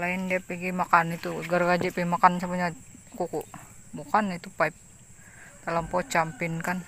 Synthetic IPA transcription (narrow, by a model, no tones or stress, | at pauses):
laindiapiɡimakanit̪uɡəɾɡad͡ʒiʔpimakansabaɲakukuʔbukanit̪upaip̚ | t̪aləmpɔt͡ʃampɪnkan